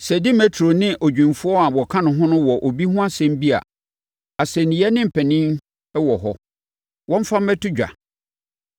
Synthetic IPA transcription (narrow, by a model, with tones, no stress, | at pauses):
sɛ˨dɪ˦mɛ˨tʰɾo˨nɪ̃˦ʔo˨d͡ʑᶣĩ˨mfʊ˦ɔ˦a˨bɔ˨kʰã˦nʊ̃˨ɦʊ̃˦nʊ̃˦wɔ˨ʔo˨bi˦ɦʊ̃˦a˦sɛ̃˦m˦bi˦a̰˨ | a˨sɛ˨nĩ˨ɛ˦nɪ̃˦m̩˨pʰɛ˨nĩ˦n | ɛ˦wɔ˨ɦɔ˦ | wɔ̃˦m̩˦fa˦m̩˦mɛ˦tʰʊ˦d͡ʑᶣa̰˨